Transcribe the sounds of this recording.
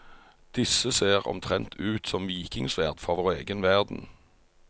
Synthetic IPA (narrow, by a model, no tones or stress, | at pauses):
d̪̥ɪsːəseːʁɔ̰mt̪ʰʁɛnt̪ʰʉːt̪sɔmʋiːkɪŋsʋæːʁd̪̥fɔʁʋoːʁeːɡənʋæʁd̪n̩